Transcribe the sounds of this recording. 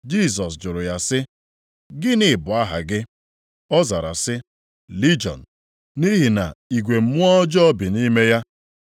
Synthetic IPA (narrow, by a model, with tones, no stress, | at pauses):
d͡ʒi˦˨s̬ɔ˨s̬d͡ʒʊ˨ɾʊ˨ja˦sɪ˦ | ɡɪ˦nɪ˨bʊ˨a˦ɦa̰˨ɡɪ˦ | ɔ˦za˨ɾa̰˨sɪ˦ | li˦d͡ʒɔ̰˨n̩˨ | ni˦ɦi˨na̰˨i˨ɡʷe˨m̩˦mʊ˦ɔ˦d͡ʒɔ˦ɔ˦bi˨ni˦me˦ja˦